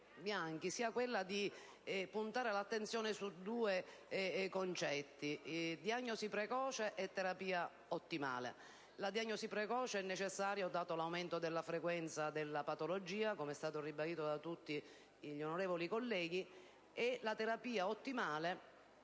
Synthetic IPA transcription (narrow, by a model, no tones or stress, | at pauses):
bjaŋk̟isiːakwelːad̪i | punt̪aːɾelat̪ːent̪sjɔːnesud̪ːuːe | kont͡ʃɛt̪ːid̪jaɲːosipɾekɔːt͡ʃeʔɛt̪ːeɾapiːa | ot̪ːima̰ːlḛ | lad̪jaɲːosipɾekɔːt͡ʃeɛnːet͡ʃesːaːɾjod̪aːt̪olawment̪od̪elːafɾekwɛnt̪sad̪elːapat̪olod͡ʒiːakomeɛst̪aːt̪oribad̪iːt̪od̪at̪ut̪ːiː | ʎːonoɾeːvolikolːɛːɡi | elat̪eɾapiːaot̪ːimaːle